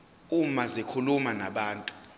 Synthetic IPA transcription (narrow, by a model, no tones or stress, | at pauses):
umazekʰulumanaɓaːntʼu̥